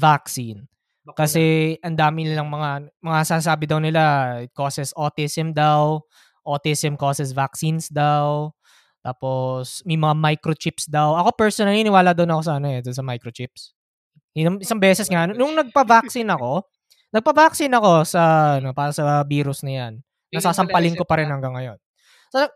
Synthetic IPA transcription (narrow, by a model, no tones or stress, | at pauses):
vaksin | kɐsɛʔɐnd̪aːmɪnɪlɐŋmɐŋamɐŋasas̬aːbɪd̪ɐwnɪlakoːsɛsʔot̪ɪsɛmd̪aw | ʔot̪isɛmkosɛsvak̚sinsd̪aw | t̪aːpo̞smɐjmɐŋamajkɾot͡ʃɪpsd̪awʔɐko̞pɛɹsonɐniːnɪwaːlad̪ʊwnɐko̞s̬aɐnoɛd̪ʊnsɐmajkɾot͡ʃɪps | ɪnɐŋɪsɐŋbɛːsɛsŋɐnnʊŋnɐɡ̚pɐvak̚sɪnɐko̞ | nɐɡ̚pɐvaksɪnɐko̞sɐɐnopaːɾɐsɐbiːɾʊsnɐjanː | ɐsaːsɐmpɐlɪnkopɐɾɛnhɐŋɡɐŋːɐjo̞n | so